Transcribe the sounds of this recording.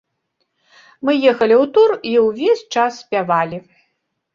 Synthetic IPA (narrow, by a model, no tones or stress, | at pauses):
mɨjɛxɐlʲiwt̪uriwvʲesʲt͡ʂasːʲpʲavalʲi